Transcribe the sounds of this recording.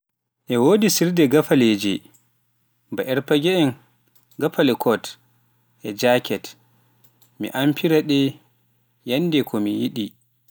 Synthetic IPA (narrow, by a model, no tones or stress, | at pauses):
ʔɛwoːdisiɾdɛɡafaled͡ʒɛ | baʔɛɾpaɡɛɛn | ɡafalɛkʰɔt | ʔɛd͡ʒakʰɛt | mḭʔampʰiɾaɗɛ | janːdɛkʰɔmijiɗi